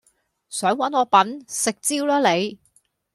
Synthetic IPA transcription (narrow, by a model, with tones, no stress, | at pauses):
sœː˨˥ŋwɐ˨˥nɔː˨˧pɐ˨˥nsɪ˨k̚t͡siː˥wlɔː˥le˨˧j